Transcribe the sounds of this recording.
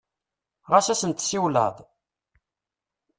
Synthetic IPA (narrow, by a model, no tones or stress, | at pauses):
ʁasæsənt̪siwlə̰ðˤ